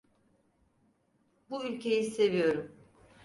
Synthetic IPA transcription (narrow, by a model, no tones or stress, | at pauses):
buylʲcʰe̞jise̞vijo̞ɾum